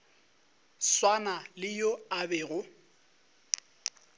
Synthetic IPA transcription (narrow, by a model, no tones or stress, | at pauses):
swanalɪjoabɛːɣʊ